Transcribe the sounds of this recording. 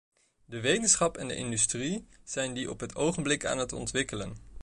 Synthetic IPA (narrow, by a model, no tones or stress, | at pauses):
dəʋejtənsχɑpɛndə̰ʔɪndystriz̥ɛjndiʔɔpɦətʰowχənblɪka̰ːnɦətɔ̰ntʋɪkələn